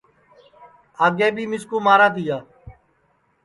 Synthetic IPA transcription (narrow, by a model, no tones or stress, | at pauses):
aːɡeːbʱiːmɪskũːmaːɾãːt̪iːjaː